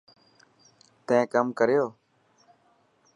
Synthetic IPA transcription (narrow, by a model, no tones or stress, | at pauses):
t̪ẽːkəmkəɾjoː